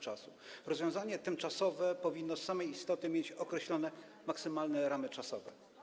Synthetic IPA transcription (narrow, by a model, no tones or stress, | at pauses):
t͡ʂasuɾɔzvʲjɔ̃w̃zaɲɛt̪ɘmt͡ʂasɔvɛpɔvʲinːɔsːamɛjist̪ɔt̪ɘmʲjet͡ɕɔkɾɛɕlɔnɛ | maksɘmalnɛɾamɘt͡ʂasɔvɛ̰